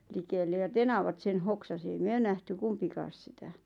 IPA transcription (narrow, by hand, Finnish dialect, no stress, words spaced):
likelːe jɑ tenɑʋɑt sen hoksɑsi ei myø næhty kumpikɑːs sitæ